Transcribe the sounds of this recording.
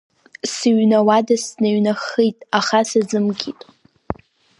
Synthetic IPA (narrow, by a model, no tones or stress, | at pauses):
siɥnawadasnaɥnaχijtʼaχasad͡zɨmɡʲitʼ